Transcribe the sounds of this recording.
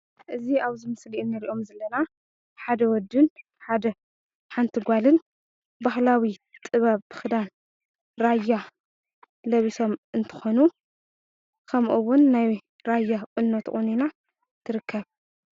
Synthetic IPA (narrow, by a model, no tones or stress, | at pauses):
ʔɨziaβzɨmɨsliʔnːɨɾiʔo̞mzɐlːɐna | ħad̪ɐwɔd̪ɨn | ħad̪ɐ | ħant̪ʰɨɡʷalɨn | bahlawit̪ʼɨβɐβɨxɨd̪an | ɾaja | lɐβiso̞mɨnt̪ʰɨ̥xonu | kʰɐmʔuwʊnːaj | ɾajːakʼɨnːot̪ʔʼunina | t̪ʰɨɾɨkʰːɐβ